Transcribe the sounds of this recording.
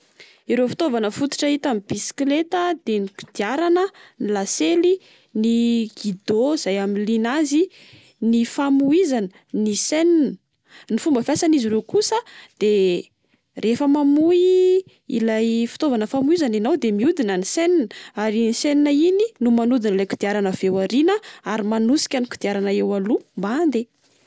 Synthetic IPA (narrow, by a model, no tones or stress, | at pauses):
iɾefi̥t̪ovanəfut̪u̥ʈ͡ʂəɦit̪amibisi̥klet̪əd̪enipi̥d̪̥iaɾanənilaseli | niɡid̪oiz̥ajaminlinazi | nifamuizanə | niseninə | nifumbəfasaniziɾewkusəd̪̥e | refəmamui | ḭlajfi̥t̪ovanəfamuizaninawd̪emiud̪inaniseninəaɾiniseninaininumanud̪inlajku̥d̪̥iaɾanəvewaɾinəaɾimanusi̥kʲaniku̥d̪iaɾanəewalumband̪e